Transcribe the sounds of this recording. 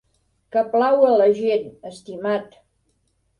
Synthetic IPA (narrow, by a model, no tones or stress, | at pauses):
kəplawələʒenəst̪imat̪